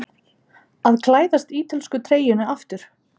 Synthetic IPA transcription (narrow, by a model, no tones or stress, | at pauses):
aðkʰlaːjðast̪iːt̪ɪlskʏt̪ʰɾeːjʏnʏaft̪ʏɾ̥